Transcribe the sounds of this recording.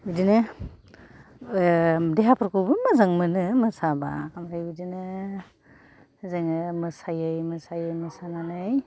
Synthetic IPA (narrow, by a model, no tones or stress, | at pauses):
bidinɯ | deɦapʰɯɾkubɯmazaŋmɯnɯmɯsaba̰kamɾajbidinɯ | zɯŋɯmɯsajɯjmɯsajɯjmɯsananɯj